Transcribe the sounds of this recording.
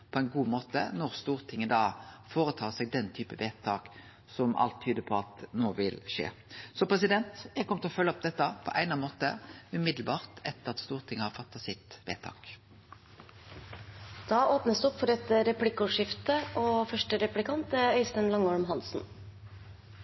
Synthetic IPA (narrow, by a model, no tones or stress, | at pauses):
pʰɔæɪnɡuːmoːt̪ənɔʁst̪uːʁt̪ʰɪŋːənd̪ɑːfoːɾət̪ʰɑːsɛɡ̚d̪ɛnt̪ʰyːpəʋeːt̪ʰɑːk | sɔmɑ̰lt̪ʰːyːd̪əpʰɔɑt̪noːʋɪlʃḛːsɔpʰʁɛsɪd̪ɛnt̪jɛɡkɔmət̪ʰɔfœlːəɔp̚d̪ɛt̪ːɑpʰɔ̰ʔæ̰ɪnɑnmoːt̪əʉmɪd̪lbɑːʁt̪ʰɛt̪ːəʁɑt̪st̪uːʁt̪ʰɪŋːəhɑfɑt̪ːɑsɪt̪ʋḛːt̪ʰɑ̰ːk | d̪̥ɑːʔoːpnəsd̪ʉɔpfɔɖɛt̪ːəɾɛpʰlɪkːʊʂɪft̪əʔɔfœʂʈəɾɛplɪkʰɑnt̪əœʏsənlɑŋːɔlmɦɑnsn̩